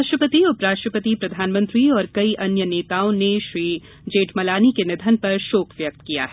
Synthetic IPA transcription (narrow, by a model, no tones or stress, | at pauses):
aʃʈɾəpət̪iʊpɾaːʃʈɾəpət̪ipɾɐd̪ʱaːnmə̃nt̪ɾiɔːɾkɐiʔɐnjəneːt̪aːõneʃɾiː | d͡ʒeːʈmɐlaːnikenɪd̪ʱənpɐɾʃoːkʰʋjɐk̚t̪kija̰ɦɛː